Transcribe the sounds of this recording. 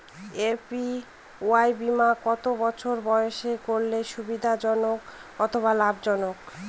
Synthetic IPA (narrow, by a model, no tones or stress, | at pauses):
epi | oajbimakɔt̪obɔt͡ɕʰoɾbɔoʃekoɾleʃubid̪ʱad͡ʑɔnokɔt̪ʰoβalabd͡ʑɔnok